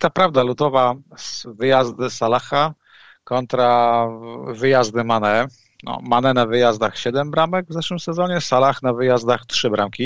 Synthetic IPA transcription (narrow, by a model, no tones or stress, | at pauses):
t̪apɾavd̪alud̪ɔvasvɘjazd̪ɘsalaxa | kɔnt̪ɾa | vɘjazd̪ɘmanɛ | nɔ̰manɛnavɘjazd̪axɕɛd̪ɛmbɾamɛɡvzɛʂwɘmsɛzɔɲɛsalaxnavɘjazd̪axtʂɘbɾamkʲi